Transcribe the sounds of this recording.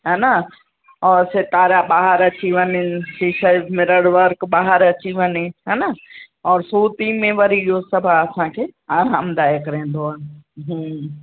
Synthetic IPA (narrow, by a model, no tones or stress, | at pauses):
ɦaːna | ɔːɾsɪt̪aːɾaɓaːɦəɾɐt͡ɕiʋɐɲɪnɪsiʃəmɪɾəɽʋəɾkɓaːɦəɾɐt͡ɕiʋɐnɪɦaːnɐ | ɔːɾsuːt̪imẽʋɐɾiɪɦosɐbʱaɐsãkʰeːaːɾãːmd̪aːekɪɾẽːn̆d̪oanɪɦũː